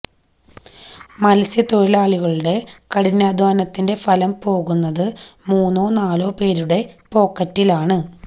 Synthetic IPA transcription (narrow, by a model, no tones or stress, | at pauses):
mɐlɐsjɐt̪o̞ɻilaːɭiɣɐɭuɽe̞kɐɽinːaːd̪ʱʋaːnɐt̪ːinde̞fɐlɐmpo̞ːɣunːɐðɨmuːnːo̞ːnaːloːpe̞ːɾuɽe̞po̞ːkːɐtːilaːɳɨ